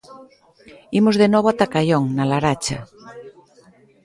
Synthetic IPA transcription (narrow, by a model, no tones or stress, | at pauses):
imozðenoβoat̪akaʎoŋnalaɾat͡ʃa